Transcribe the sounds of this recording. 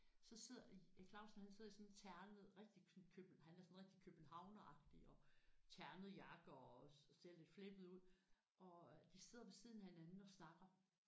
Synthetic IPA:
sɒ̽se̝ð̰ˠɐkʰl̥ɑ̈ʊsn̩hænse̝ð̞̰ˠisɔ̽nt͡sʰæɐnð̩ˠʁɛɡ̥̚d̥isɔnkʰøb̥nhænæɐsɔ̽nʁeɡ̥d̥ikʰøb̥n̩ɦɑ̈ʊnəʔɑ̈ɡ̥d̥iɒ̽t͡sʰæɐnəð̩ˠjɑ̈ɡ̥ɒsel̰le̝d̥fle̝b̥ð̩ˠuð̰ˠ | ʔɒ̽d̥ise̝ð̞̰ˠɐmesið̞̰ˠn̩æhenænn̩ɒ̽snɑ̈ɡ̥ɐ

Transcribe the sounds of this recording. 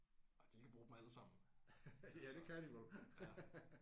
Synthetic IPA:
ɒd̥ikʰæb̥ʁuːd̥mæləsɑ̈m̰n̩ | jæd̥e̝kʰæd̥iʋol

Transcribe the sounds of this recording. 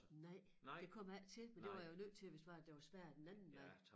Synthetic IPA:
nɑɪ̰d̥e̝kʰɒ̽m̰æl̰t͡sʰe̝lmend̥e̝ʋɑ̈jjonøð̰ˠt͡sʰe̝lʋe̝sd̥ʋɑ̈d̥eʋɑ̈sʋæɐ̰d̥enænn̩mæ

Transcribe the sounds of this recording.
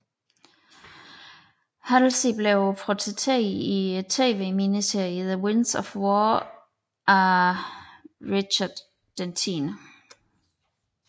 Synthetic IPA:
hæl̩sib̥leʊpʰʁot͡sʰet͡sʰḛit͡sʰḛːʋeːminiseɐiiðəwɪnsɒfwɔː | ʔæ | ʁiɕɐd̥ː | ent͡sʰiːn

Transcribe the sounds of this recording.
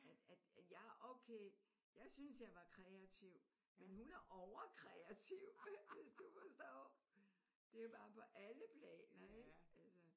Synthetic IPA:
æd̥æd̥æ̥jɑ̈ɪʔoʊkʰeː | jɑ̈ɪsynsjɑ̈ɪʋɑ̈kʰʁɛæt͡sʰiʊ̰ | menɦunæɐʔɒʊɐkʰʁɛæt͡sʰiʊʋe̝sd̥ufɒsd̥ɔ̰ː | d̥e̝job̥ɑ̈ːpʰɒ̽ʔæləpʰlɛ̰ːnɐeɡ̥ælsə

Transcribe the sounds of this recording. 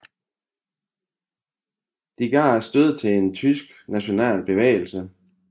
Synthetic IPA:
d̥iɡ̥ɑ̈ːæsd̥øð̞̰ˠt͡sʰe̝e̝nt͡sʰysɡ̥næɕo̝nɛ̰ːlb̥e̝ʋḛːɪl̩sə

